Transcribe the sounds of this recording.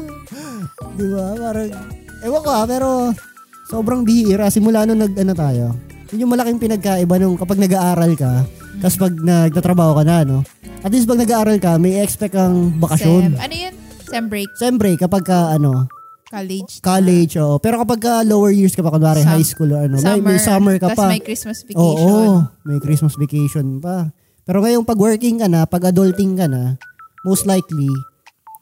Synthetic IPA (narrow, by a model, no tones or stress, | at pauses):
d̪ɪbapaːɾɐŋʔɛwɐkoʔapɛːɾo̞ | so̞ːbɾɐŋbɪhiʔɾɐsɪmʊlaːnonɐɡ̚ʔɐnot̪aːjo̞ | jʊnɲʊŋmɐlɐkɪŋpɪnɐɡ̚kaːʔɪbanʊŋkɐpɐɡ̚nɐɡaʔaːɾɐlkɐ | kɐspɐɡ̚nɐɡ̚t̪aːt̪ɾɐbaːho̞kɐnɐno̞ | ʔɐt̪lis̬pɐɡ̚nɐɡaʔaːɾɐlkɐmɐjʔɛkspɛkːɐŋbɐkɐʃonɐnojon | ɛmbʃɛmbɾɛkɐpɐɡ̚kɐʔɐno̞ | kld͡ʒkalɛd͡ʒʔoːʔopɛːɾo̞kɐpɐɡ̚kɐlowɛɹjiɹskɐpɐkonaːɾɐjɦajskuːloʔɐnomɐjmɐjsamɛɹkɐpɐjkɾismɐsʔoːʔomɐjkɾismɐsvɛkejʃonpɐ | pɛːɾo̞ŋɐjoŋpɐɡwɛɹkɪŋkɐnapɐɡʔɐd̪olt̪ɪŋkɐnɐmowst̪lajkli